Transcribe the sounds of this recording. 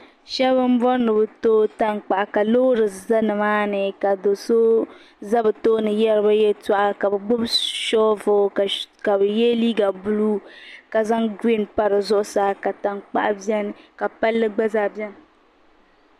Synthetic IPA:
ʃɛ˦bɨ˦m̩˦bɔ˦nːɨ˨bɨ˨toː˦ta˦ŋk͡pa˨ʔa˨ka˨loː˦ɾɨ˨za˦nɨ˨maː˦nɨ˨ka˨do˨so˦ | za˦bɨ˨to˦nɨ˨jɛ˦ɾɨ˦ba˦jɛ˦ta˦ʔa˦ka˨bɨ˨ɡ͡bʊ˦bʃɔː˦vo˨ka˨bɨ˨jɛ˦liː˦ɡa˨bu˦lu˦ka˨za˦ŋɡi˦˨npa˦ɾɨ˨zʊ˦ʔʊ˦sa˦ka˨ta˨ŋk͡pa̰˦ʔa˨bɛ˦n˨ka˨pa˦lːɨ˦ɡ͡ba˦zaː˦˨bɛ˦ŋ

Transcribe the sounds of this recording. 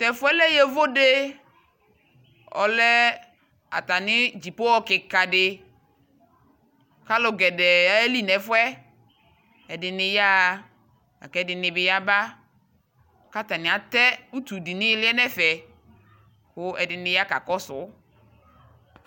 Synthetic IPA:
t̪ɛ˨fʊ˦ɛ˦lɛ˦jɛ˦vo˦de˦ | ɔ̰˨lɛ˦ | a̰˨t̪a˨nɪ˦d͡ʒi˨po˦wɔ˦kɪ˨ka˨dɪ˦ | ka˦lʊ˨ɡɛ˨dɛ˨a˦e˦li˦nɛ˨fʊ˦ɛ˦ | ɛ˨dɪ˨nɪ˨ja˦˨ | a̰˨kɛ˦dɪ˨nɪ˨bɪ˨ja˦ba˦ | ka˦t̪a˨nɪ̃˨a˨t̪ɛ˦u˦t̪u˨di˨nɪ̃˦lɪ˦ɛ˦nɛ˦fɛ˨ | xʊ˦ɛ˨dɪ˨nɪ˨ja˦ka̰˨kɔ˦sʊ˨˦

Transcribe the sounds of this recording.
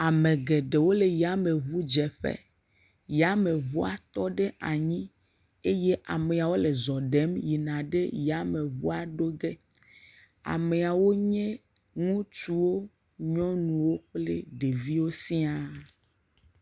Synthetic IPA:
a˨mẽ˨ɡe˨ɖe˨wo˦le˨ja˦me˨βu˦d͡ʒɛ˨ɸḛ˦ | ja˦mẽ˨βu˦a˨t̪ɔ˦ɖe˦ʔa˨ɲĩ˦ | e˦je˦ʔa˨me˨a˨wo˦le˨zɔ˨ɖe˨˦mji˨nã˨ɖe˦ja˦me˨βṵ˦a˨ɖo˦ɡe˦ | a̰˨me˨a˨wo˦ɲɛ̃˦ | ŋũ˦t͡ʃu˦wo˦ | ɲɔ̃˦nũ˨wo˦k͡ple˦ɖe˨vi˦wo˦si˦a˦

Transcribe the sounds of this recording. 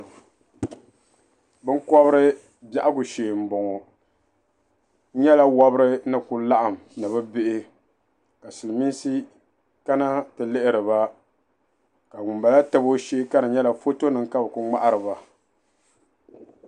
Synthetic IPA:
bɨ˦ŋ˦kɔ˦bɨ˦ɾɨ˦ | ba˦ʔa˦ɡʊ˨ʃeː˨m̩˨bɔ˨ŋɔ˨˦ | ɲɛ˦la˦wɔ˦bɨ˦ɾɨ˦nɨ˨ku˨la˦ʔa˨m˨nɨ˨βɨ˦be˦ʔɪ˦ | ka˨sɨ˨lmi˦n˦si˦ | ka˦na˦tɨ˨lɪ˦ʔɪ˦ɾɨ˨βa˦ | ka˨ŋu˨mba˨la˦tɨ˦bo˦ʃeː˦ka˦ɾɨ˨ɲɛ˦la˨fo˦to˦nɨ˨ŋka˦bɨ˨ku˦ŋ͡ma˦ʔa˦ɾɨ˨βa˨

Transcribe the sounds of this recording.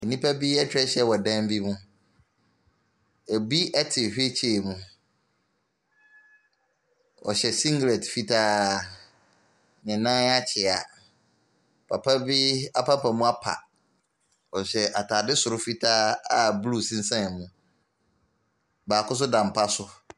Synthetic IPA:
ɛ˨nĩ˦pʰa˦bi˦ɛ˦t͡ɕʰᶣɪ˦ɾɛ˦ɕɛ˦wɔ˨dã˦m˦bi˦mũ˦ | e˨bi˦ɛ˦tʰɪ˨ɕᶣe˦t͡ɕʰeː˦˨mũ˦ | ɔ̰˨ɕɛ˨sĩ˦ŋɡɾe˨tfi˦tʰaː˦˨ | ɲɛ̃˨nã˦a˦t͡ɕʰɪ˨a˨ | pʰa̰˨pʰa˦bi˦a̰˦pʰa˦pʰa˨mũ˦a˦pʰa̰˨ | ɔ˨ɕɛ˨ʔa˨tʰa˨dɪ˦sʊ˨ɾʊ˦fi˦tʰaː˦a˨blu˦sĩ˦n̩˦sã˦n˨mũ˨ | baː˨kʊ˦s̬ʊ˦dã˨m˨pʰa˦sʊ˦

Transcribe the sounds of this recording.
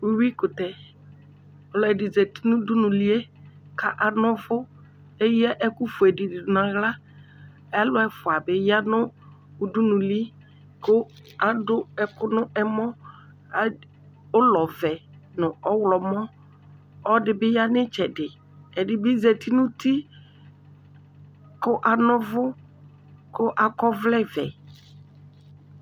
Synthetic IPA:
u˦wi˦kʊ˨tɛ˨ | ɔ˨lɔ˨ɛ˨dɪ˨zɛ˨ti̥˦nʊ̃˦du˦nʊ̃˨li˦e˦ | ka˨ʔa˨nʊ̃˦vʊ˦ | e˦jɛ˦ʔɛ˦kʊ˦fʊ˨ɛ˨dɪ˨dɪ˨dʊ˨nã˨ɣla˦ | a˦lʊ˦ɛ˦fʊ˨a˨bɪ˦ja˦nʊ˦ | ʊ˦du˦nʊ̃˨li˦ | kʊ˦ | a˦dʊ˦ɛ˨kʊ˦nʊ˦ʔɛ˦mɔ˦ | a˦ | ʊ˦lɔ˨vɛ˨nʊ̃˨ɔ˦wlɔ˨mɔ̃˦ | ɔ˦dɪ˨bɪ˦ja˦nɪ˦t͡ʃɛ˨dɪ˨ | ɛ˨dɪ˦bɪ˦zɛ˨ti˦nʊ̃˦ti˦ | kʊ˦ʔa˨nʊ̃˦vʊ˦ | kʊ˦ʔa˨kɔ˦vlɛ˦vɛ˨

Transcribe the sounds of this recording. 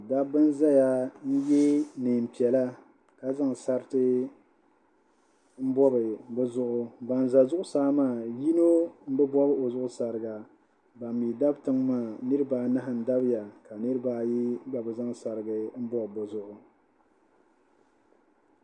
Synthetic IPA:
da˦bɨ˦n˦za˦ja˦n̩˦jɛ˦nɨː˨m̩˨pi˨ɛ˨la˦ | ka˨za˦ŋ˨sa˦ɾtɨ˦ | m̩˦bɔ˦bɨ˨bʊ˦zʊ˦ʔʊ˦ba˨n˨za˨zʊ˦ʔʊ˦saː˦maː˦˨ji˦no˦m̩˦bɨ˦bɔ˦bɨ˦o˨zʊ˦ʔʊ˦sa˨ɾɨ˨ɡa˨ | ba˨mː˨i˨da˦btɨ˦ŋmaː˦˨nɨ˦ɾɨ˦baː˦na˦ɦa˨n̩˨da˦bɪ˦ja˨ka˨nɨ˦ɾɨ˦baː˦ji˦ɡ͡ba˨bɨ˨za˦ŋsa˨ɾɨ˨ɡɨ˨m̩˦bɔ˦bbʊ˨zʊ˦ʔʊ˨

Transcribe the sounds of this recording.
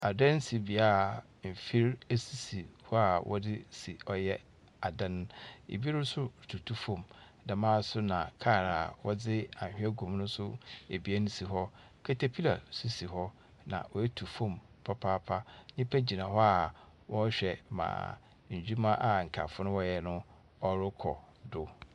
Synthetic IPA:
a˨dɛ̃˦n̩˦si˨bi˨a˦˨ | m̩˨fi˦ɾe˦si˨si˨hɔ˦a˨wʔɔ̰˦dɪ˦si˨ɔ˦jɛ˦ | a˨dã˦n˦ḛ˨bi˦nʊ̃˦sʊ˦˨tʰu˨tʰu˦fõ˦˨m | dã˨mãː˦sʊ˦nã˨kʰa˦˨ɾa˨wɔ˦d͡zɪ˦a̰˨hᶣɛ˦ɡũ˨m˦nʊ̃˦sʊ˦e˨bi˦ɛ˦nʊ̃˦si˨ɦɔ˦ | kʰɛ˦tʰe˨pʰi˦la˨su˦si˨ɦɔ˦ | nã̰˨wɔ˨jɛ˦tʰu˨fõ˦m | pʰa˦pʰa˦pʰa˦ɲĩ˦pʰɛ˦d͡ʑi˨nã˨ɦɔ˦a˨ | wʔɔ˦ɕᶣɛ˨mã̰ː˨ | ɲ̩˨d͡ʑᶣu˦mã˦ʔa˨ŋ̩˨kʰa̰˨fʊ˦nʊ̃˦wɔ˦jɛ˨nʊ̃˦ | ɔ˦ɾʊ˦kʰɔ̰˨ | dʊ˨˦

